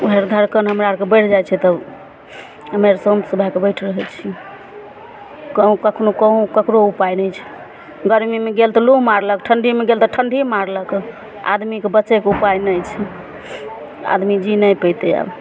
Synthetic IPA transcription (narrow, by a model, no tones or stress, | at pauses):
oɦeɾd̪ʱəɾkənɦəmɾaɾkebəjʈʰd͡ʒajt͡ʃʰɛt̪əb | əmeɾsomsəbʱakebəjʈʰɾəɦɛt͡ʃʰi | kəũkəkʰnokəɦũkəkɾoupajnəjt͡ʃʰɛ̥ | ɡəɾmimeɡelt̪ɔluɦmaɾləkʈʰəɳɖʱimeɡelt̪ɔʈʰəɳɖʱimaɾlək | a̰d̪mikebətːʃɛkeupajnəjt͡ʃʰɛ | a̰d̪mid͡ʒinəjpət̪ɛa̰b